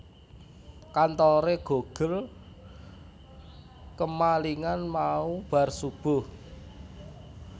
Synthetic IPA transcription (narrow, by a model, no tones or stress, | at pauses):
kant̪ɔɾeɡ̥o̤ɡ̥əl | kəmaliŋanmaub̥a̤rsub̥ʊ̤h